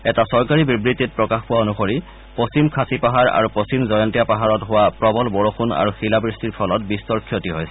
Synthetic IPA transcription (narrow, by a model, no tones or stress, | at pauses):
ɛtasɔɹkaɹibibɹitit̚pɹɔkaxpʊwaonuxoɹi | post͡ɕimkʰasipaɦaɹa̰ɹupost͡ɕimzɔjɔntijapaɦaɹɔtɦʊwapɹɔbɔlboɹoxuna̰ɹuxilabɹistiɹpʰɔlɔt̚bistɔɹkʰijotiɦojsɛ